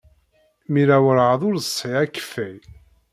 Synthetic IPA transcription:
miɾæwəɾʕəðˤʊɾðəsˤiækːfæj

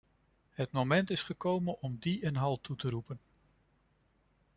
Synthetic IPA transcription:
ɦətmomɛntɪsχəkowmənɔmdiɛnɦɑlˠtutəɾupən

